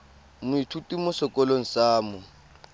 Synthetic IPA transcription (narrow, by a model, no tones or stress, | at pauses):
mʊitʰutʼimʊsɪkʼɔloŋ̩saːmʊ